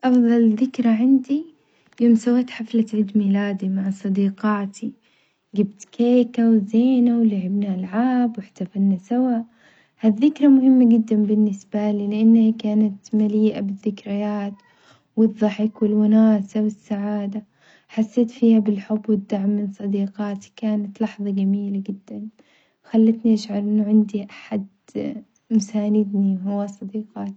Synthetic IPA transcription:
ʔɑfðˤɑlðɪkɾaʕand̪i | joːmsawat̪ħaflat̪ʕid̪miːlaːd̪imaʕsˤɑd̪iːqɑːt̪ʰi | ɡabt̪keːkawzeːnawlaʕɪbnaʔalʕaːbwɪħt̪afalnasawaːʔ | haðːɪkɾˤamʊhɪmːaɡɪd̪ːanbɪnːɪsbaliːlɪʔanːhakaːnat̪maliːʔabɪðːɪkɾɪjaːt̪ | wɨðˤːɑħɪkwɪlwʊnaːsawɪsːaʕaːd̪a | ħasːeːt̪fiːhabɪlħʊbːwɪd̪ːaʕmːɪnsˤɑd̪iːqɑːt̪i̥kaːnat̪lɑħðˤɑɡamiːlad͡ʒɪd̪ːan | xalːat̪niʔaʃʕɑɾˤʔɪnːʊʕɪnd̪iʔaħad̪ | mʊsaːnɪd̪niɦʊwːasˤɑd̪iːqɑːt̪i

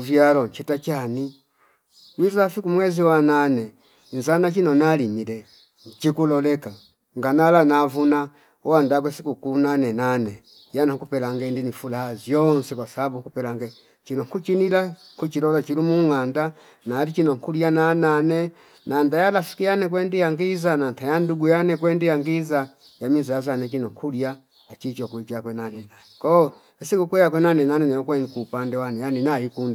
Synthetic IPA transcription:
uvjalɔɲt͡ʃitat͡ʃani | wizafikumwɛziwananɛ | nzanat͡ʃinɔnalimilɛ | t͡ʃikulɔlɛka | ŋɡanalanavuna | wandaɡwɛsikukunanɛnanɛ | janaŋkupɛlaŋɡɛndinifulahazjɔnsɛkwasaabuŋkupɛlaŋɡɛ | t͡ʃinɔŋkut͡ʃinila | kut͡ʃilɔlat͡ʃilumuŋanda | naːlit͡ʃinɔŋkulianananɛ | nandajalasi̥kijanɛk̬wɛndijaŋɡizanantajanduɡujanɛkwɛndijaŋɡiza | jamizajazanɛt͡ʃinɔŋkʰulia | at͡ʃit͡ʃɔkuit͡ʃakwɛnanɛnanɛkɔ | ɛsikukwɛjak̬wɛnanɛnanɛnɛɔkwɛŋkuːpandɛwanɛjaninaikunda

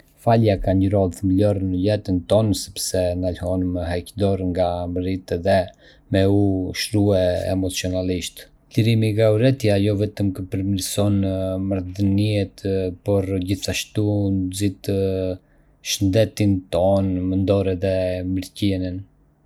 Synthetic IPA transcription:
faljakaɲəɾɔðθməlɔɾnəlɛt̪ənt̪ɔnsɛ̥psɛnalhɔnməɦɛkd̪ɔɾŋɡaməɾit̪ɛðɛ | mɛuʃɾuɛɛ̰mɔt͡sjɔnaliʃt̪ | liɾimiɡauɾɛt̪jajɔvɛt̪əmkəpəɾmiɾsɔnmaɾðəniɛt̪pɔɾɟiθaʃt̪unzit̪ | ʃənd̪ɛt̪int̪ɔnmənd̪ɔɾɛðɛməɾcɛnən

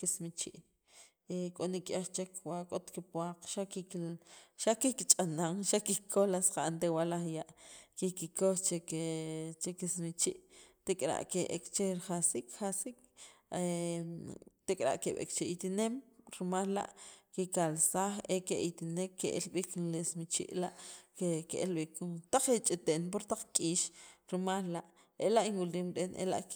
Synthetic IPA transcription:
kismit͡ʃiʔ | ekʼonikʼjaχt͡ʃekwakʼot̪kipwaqʃaki | ʃakikit͡ʃʼanaŋʃakikʰolasqaʔant̪ewalaχjaʔkikikoχt͡ʃe | t͡ʃekismit͡ʃiʔt̪ekʼɾa̰ʔkeʔekt͡ʃeɾχasikχasik | e | t̪ekʼɾa̰ʔkeɓḛkt͡ʃeit̪inemɾimalla̰ʔkikalsaːχekeʔit̪inekʰːeʔelɓiknlesmit͡ʃḭʔlaʔkekeʔelɓikt̪aq͡χet͡ʃʼit̪enp̬oɾt̪aq͡χkʼiːʃɾimallaʔ | elaʔinwuliːmɾenʔḛla̰ʔ

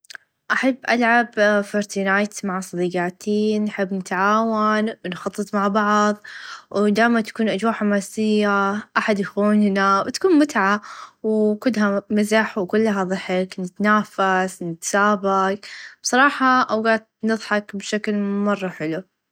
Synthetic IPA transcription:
ʔaħabːʔalʕabfɑɾt̪inaːjt̪maʕsˤɑd̪iːɡaːt̪iːnːħɪbːnɪt̪ʕaːwanwnxɑt̪ˤːɨt̪ˤmaʕbɑʕðˤwd̪aːjmat̪ḁkuːnʔad͡ʒwaːʕħamaːsɪjːaʔaħad̪jaxuːnhɪnawt̪ḁkuːnmʊt̪ʕawkʊlːɦamɪzaħwkʊlːɦaðˤɨħɪknɪt̪naːfasnɪt̪saːbaɡb̥sˤɑɾˤɑːħɑʔawɡaːt̪̚nɨðˤħɑkbʃaklmɑrˤːɑħɪlu

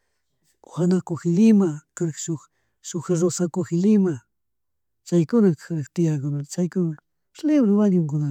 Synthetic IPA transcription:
xanakoxɪlɪmakaɾʃʊx | ʃʊxɾosakoxɪlɪma | t͡ʃajkʊnakɾkt̪ɪakʊnat͡ʃajkʊna | leβɾowanʊŋkʊna

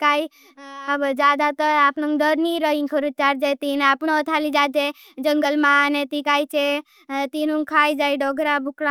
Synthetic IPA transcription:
kai | əbd͡ʒaːd̪at̪əaːpnəŋɡɖəɾniɾəĩŋkʰəɾut͡ʃaːɾd͡ʒat̪inaːpnoɔt̪ʰalid͡ʒad͡ʒe | d͡ʒəŋɡəlmanet̪ikaːit͡ʃe | t̪inũŋkʰaːjd͡ʒaːiɖɔɡʱɾabʱukɽa

